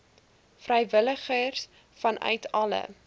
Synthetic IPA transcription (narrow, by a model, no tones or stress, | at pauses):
frɛjvələχərs | fɐnʔœ̰ɥtʰɐlə̰